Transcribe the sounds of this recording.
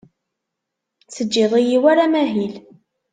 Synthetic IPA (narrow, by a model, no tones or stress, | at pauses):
t͡sːəd͡ʒːɪðˤijiwaɾamæɦil